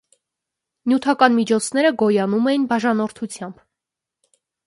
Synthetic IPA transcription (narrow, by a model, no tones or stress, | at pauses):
njut̪ʰɑkɑnmit͡ʃʰɔt͡sʰnɛɾəɡɔjɑnumɛjinbɑʒɑnɔɾt̪ʰut͡sʰjɑmb